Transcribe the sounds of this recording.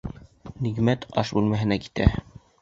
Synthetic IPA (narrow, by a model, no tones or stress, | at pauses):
niɡmæt̪ɑʃbʉlmæɦɘ̆næki̥t̪æ̰